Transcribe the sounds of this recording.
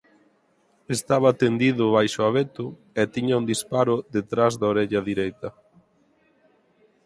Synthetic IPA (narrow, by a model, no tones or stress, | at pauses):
est̪aβaːt̪end̪iðʊβajʃʊaβet̪ʊ | ɛt̪iɲaund̪ispaɾʊðet̪ɾazðaoɾeʎɐðiɾejt̪ɐ